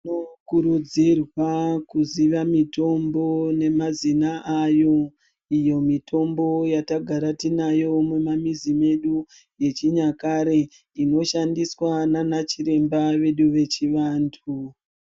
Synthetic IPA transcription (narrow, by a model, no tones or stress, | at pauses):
nokuɾud͡zirwakuziʋamito̞mbo̞ne̞mazinaʔajo̞ | ijo̞mitʰo̞mbo̞jataɡʱaɾatinajo̞memamizime̞ɗu | je̞t͡ʃiɲakaɾe̞ | ino̞ʃandiswananat͡ʃiɾe̞mbaʋe̞ɗuʋe̞t͡ʃiʋaːntʰu